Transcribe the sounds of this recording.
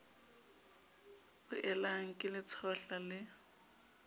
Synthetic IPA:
ʊʔɛlaŋ̩kʼɪlɪt͡sʰɔɬalɪ

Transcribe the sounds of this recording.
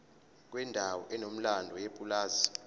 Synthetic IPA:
k̬ʼwɛndʱawɔʔɛnom̩landʱɔjepʼulaːzi

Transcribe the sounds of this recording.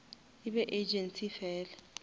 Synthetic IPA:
iɓɛʔed͡ʒensʼifɛːlɛ

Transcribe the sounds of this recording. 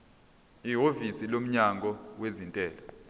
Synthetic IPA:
iɦovisilom̩ɲaŋɡʱɔwezintʼɛːlɔ

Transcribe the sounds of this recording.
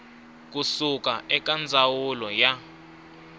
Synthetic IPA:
k̬usukaɛkʼand͡zʱawulɔja

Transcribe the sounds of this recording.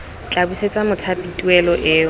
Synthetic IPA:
t͡ɬʼabuset͡sʼamʊt͡sʰapʼitʼuɛlɔʔɪː

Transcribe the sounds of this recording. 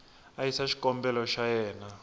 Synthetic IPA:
ajisaʃi̥kʼɔmbɛlɔʃajɛːna

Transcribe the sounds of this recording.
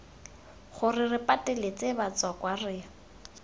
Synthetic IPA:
χʊrɪrɪpʼatɛlet͡sebat͡swakwarɪ

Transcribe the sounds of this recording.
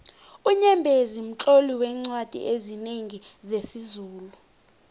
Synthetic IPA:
uɲɛmbʱezim̩t͡ɬʼoliwɛŋ͡ǀwad̥ʱḭʔezineŋizesizuːlu

